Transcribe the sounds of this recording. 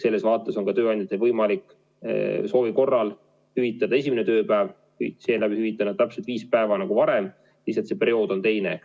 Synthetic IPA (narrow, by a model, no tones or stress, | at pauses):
se̞lːe̞svɑːt̪ːˑeso̞ŋkɑt̪ø̞ːɑnʲd̪ʲɑt̪ːevɤjmɑlikːˑ | so̞ːviko̞rːɑl | hyvit̪ːˑɑd̪̥ɑe̞siminet̪ø̞ːpæev | kṵselæbihyvit̪ːˑɑnɑt̪æpselt̪viːspæe̞vɑnɑɡ̥uvɑɾem | siset̪se̞pe̞ɾio̞ːd̪̥o̞nt̪e̞jne̞